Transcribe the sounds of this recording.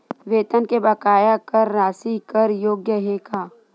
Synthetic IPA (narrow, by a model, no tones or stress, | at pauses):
ʋeːt̪ənkebɐkaːjakəɾːaːsikəɾjoːɡjəɦeːkaː